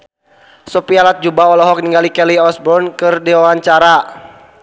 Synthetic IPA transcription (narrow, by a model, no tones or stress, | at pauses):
sɔpialat̪̚d͡ʒubaɔlɔɦɔk̚niŋɡalikɛliɔsbɔnkɨrdiwawaɲt͡ʃaɾa